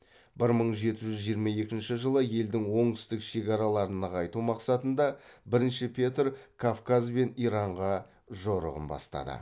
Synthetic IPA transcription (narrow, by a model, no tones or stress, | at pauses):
bɪɾməɴʒe̞t̪ɪʒʏzʒijəɾmɑje̞kʲɪnʃɪʒəlˠəje̞ld̪ɪŋwo̞ɴt̪ʏ̥st̪ɪkʃe̞kɑɾɑlˠɑɾənɑqɑjt̪umɑqsɑt̪ənd̪ɑbɪɾɪnʃɪpʲʰet̪rkʰafkazbe̞nijɾɑɴʁɑ | ʒo̞ɾə̰ʁə̰nbɑ̰st̪ɑ̰d̪ə̰